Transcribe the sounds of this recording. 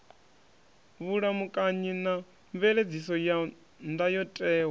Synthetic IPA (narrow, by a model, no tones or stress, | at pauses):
βuɺamukʼaɲina | ɱvɛɺed͡zisɔja | ndajɔtʼɛːwa